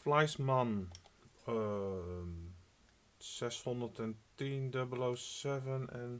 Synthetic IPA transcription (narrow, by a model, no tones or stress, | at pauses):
flajsman | sɛshɔ̃ndədɛ̃ntindəbəlosɛvə̃nɛ̃n